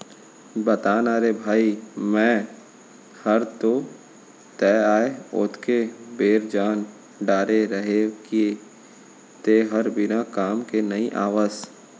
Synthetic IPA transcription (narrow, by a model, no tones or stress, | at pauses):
bɐt̪aːnaːɾebʱaːimɛ̃ː | həɾt̪o | t̪ɛːaːeʊ̰t̪ʰkebeːɾd͡ʒaːn | ɖaːɾeɾəɦekie | t̪eɦɐɾbɪnakaːmkenɐiʔa̰ːʋaːz